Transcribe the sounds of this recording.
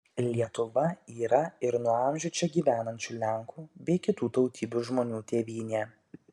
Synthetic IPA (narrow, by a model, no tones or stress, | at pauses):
lʲiɛt̪ʊʋɐiːɾɐɪɾnuɔɑˑmʲʒʲʊt͡ʃʲɛɡʲiːʋʲæːnɐnʲt͡ʃʲuːlʲɛŋkʰuːbʲɛɪkʲɪt̪uːt̪ɔʊt̪ʲiːbʲuːʒmoːnʲuːt̪ʲeːʋʲiːnʲeː